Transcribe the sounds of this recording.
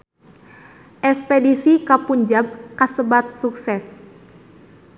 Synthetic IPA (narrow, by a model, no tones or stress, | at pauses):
ʔɛspedisikapuɲd͡ʒab̚kasəbat̪̚suksɛs